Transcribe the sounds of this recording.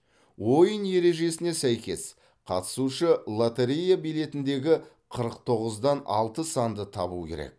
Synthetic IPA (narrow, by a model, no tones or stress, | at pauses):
wo̞jənje̞ɾe̞ʒe̞sɪne̞sæjkʲe̞s | qʰɑ̰t̪ə̥suʃəlˠat̪eɾijabijle̞t̪ɪnd̪e̞ɡʲɪ | qʰəɾəqt̪ʰo̞ʁəzd̪ɑnɑ̰lˠt̪əsɑnd̪ət̪ʰɑβṵkʲʰe̞̰ɾḛk̚